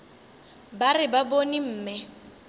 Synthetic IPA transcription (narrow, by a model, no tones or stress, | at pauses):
barɪbabonim̩ːmɪ